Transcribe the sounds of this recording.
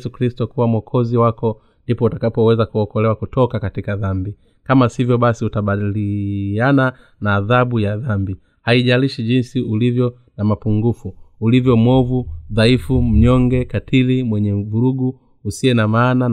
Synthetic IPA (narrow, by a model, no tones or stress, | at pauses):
sukɾistɔkuwamwɔkʰɔziwakɔ | ndipɔutakapɔwɛzakuɔkɔlɛwakutʰɔkakatikaðambi | kamasivjɔɓasiutaɓaliana | naːðabujaðambi | haiʄaliʃiʄinsiulivjɔ | namapuŋɡufuːlivjɔmwɔvuðaifum̩ɲɔŋɡɛkatʰilimwɛɲɛvuɾuɡuː | siɛnamaːna